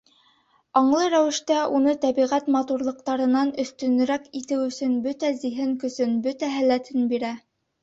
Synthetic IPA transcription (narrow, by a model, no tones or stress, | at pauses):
ɑɴlˠɤɾæwɘ̆ʃt̪æunɤt̪æβiʁæt̪mɑt̪uɾlˠɤ̆q̚t̪ɑɾɤ̆nɑnɵ̆θt̪ɵ̆n̆ɾækit̪ɘwɵ̆sɵnbɵt̪æziɦɘŋkɵ̆sɵnbɵt̪æɦælːæt̪ʰɘnbiɾæ